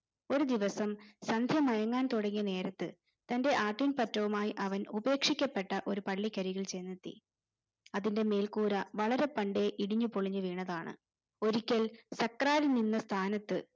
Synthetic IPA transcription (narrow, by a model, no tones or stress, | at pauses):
o̞ɾud̪iʋɐsɐmsɐnd̪ʱjɐmɐjɐŋːaːnt̪uɽɐŋːiɐne̞ːɾɐt̪ːɨ | t̪ɐnde̞ʔaːʈːinpɐtːɐʋumaːjiʔɐʋɐnube̞ːkʂikʲːɐpːe̞ʈːɐʔo̞ɾupɐɭːikːɐɾiɣɐɭt͡ɕe̞nːit̪ːḭ | ɐðinde̞me̞ːlkuːɾɐʋɐɭɐɾe̞pɐɳɖe̞ʔiɽiɲːupoɭiɲːɨʋeːɳɐðaːɳɨ̰ | o̞ɾikʲːɐlsɐkːraːɾininːɐst̪ʰaːnɐt̪ːɨ